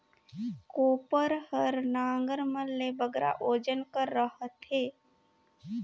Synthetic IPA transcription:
koːpəɾhəɾnãːŋɡəɾməlːebəɡɾʔa̰ʔoːd͡ʒənkəɾːəɦət̪eː

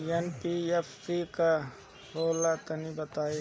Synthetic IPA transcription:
jenpiefːika | hoːlat̪ɐnibɐt̪aːi

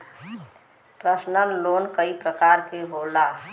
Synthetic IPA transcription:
pɾəsnəlloːnkəipɾəkaɾkeɦola

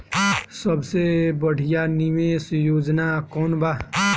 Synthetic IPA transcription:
səbsebəɽ̤ijanimesjoːd͡ʒnakɔːnba

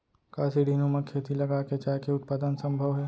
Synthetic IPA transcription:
kaːsiɖʱiːnõmẽkʰeːt̪ilɐɡaket͡ʃaːkeʊt̪̚paːd̪ənsɐ̃mbʱəʋɦɛː

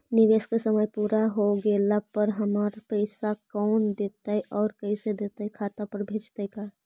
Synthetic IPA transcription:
nɪʋeːskesɐməjpuːɾaɦoɡeːlapɐɾɦɐmaɾpɛɪsakɔːnd̪eːt̪aɦɛʔɔːɾkɐĩsed̪eːt̪aɦɛkʰaːt̪apɐɾbʱeːd͡ʒt̪eika

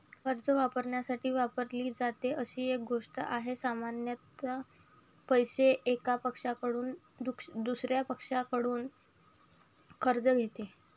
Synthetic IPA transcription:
kʰəɾd͡zəʋapəɾɳjasaʈʰiːʋapəɾliːd͡zat̪eʔəɕiːek̚ɡʱoʂʈə̰ʔaɦesamanjət̪ | pəjseʔekapəkʂakəɽuːn | d̪ukʂd̪usɾjapəkʂakəɽuːn | kʰəɾd͡zəɡʱet̪e

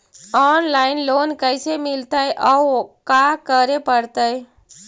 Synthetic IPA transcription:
ɔːnlaːɪnloːnkəjsemɪlt̪aeʔɔːkakəɾepəɽt̪əj

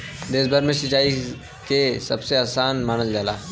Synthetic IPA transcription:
d̪eːsbaɾmẽsɪt͡ʃaːi | kesɐbseaːsaːnmaːnəld͡ʒaːla̰ː

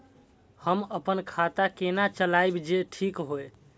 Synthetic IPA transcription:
həməpənkʰat̪akenat͡ʃəlajbd͡ʒeʈʰikɦoj

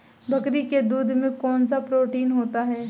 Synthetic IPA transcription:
bʱɐkɾiked̪uːd̪ʱmẽkɔːnsapɾoːʈiːnɦoːt̪aɦɛː

